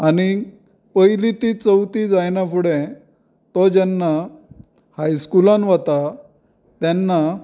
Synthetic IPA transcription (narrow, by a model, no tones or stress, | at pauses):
ani | pəjlit̪it͡səwt̪id͡zajnapuɽɛ̃ | t̪ɔd͡ʑɛnːa | hajskulãnʋat̪a | t̪janːa